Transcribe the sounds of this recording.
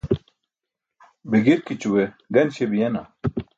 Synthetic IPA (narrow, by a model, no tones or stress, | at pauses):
biɡiɾkit͡ɕuwe | ɡɐnɕebijena